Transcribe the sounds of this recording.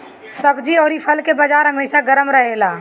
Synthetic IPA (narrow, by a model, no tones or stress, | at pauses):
səbd͡ʒiɔːɾipʰəlkebəd͡ʒaːɾɦəmeːʃaɡəɾəmɾəɦelaː